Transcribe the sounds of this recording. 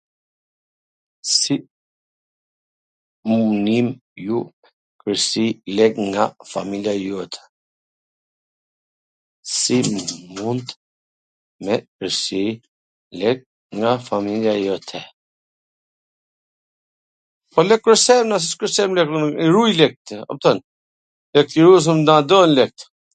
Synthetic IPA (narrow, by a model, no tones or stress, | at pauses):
si | munimju | kəsilɛɡŋɡafa̰miljajɔt̪ʰɛ̥ | simunt̪ | mɛkəɾsi | lɛɡ̚ | ŋɡafamiljajɔt̪ʰɛ | pɔlɛk̚kːɾəsɛmnas̬iskəɾsɛmlɛkɾuniɾujlɛk̚t̪ɔ̰p̚t̪ɔn | lɛk̚t̪iɾus̬əmd̪ãd̪ɔnlɛk̚t̪